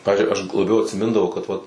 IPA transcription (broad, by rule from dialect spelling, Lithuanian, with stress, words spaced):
ˈpɑːʋʲɪzʲd͡ʒʲʊɪ ɐʃ ɡʊ lˠɐˈbʲɛʊ ɐtʲsʲɪˈmʲɪndɐʋɐʊ kɐt ˈʋɐt